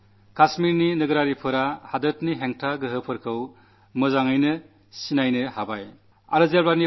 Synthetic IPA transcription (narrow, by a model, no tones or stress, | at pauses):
kasmiɾninɯɡɯɾaɾipʰɯɾahadɯt̚niɦeŋtʰaɡɯɦɯpʰɯɾkʰɯw | mɯzaŋɯjnɯ | sinajnɯhabaj | a̰ɾɯzelbani